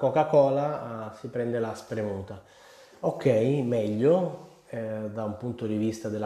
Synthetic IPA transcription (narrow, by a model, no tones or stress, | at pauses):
kokakɔːlasipɾɛnd̪elaspɾemuːt̪a | okːɛjmɛʎːo | d̪aumpunt̪od̪ivist̪ad̪ela